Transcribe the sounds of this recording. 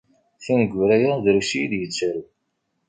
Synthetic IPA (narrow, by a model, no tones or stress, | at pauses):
θænəɡʷːɾæjaðɾuʃijid̪jət͡sːɾu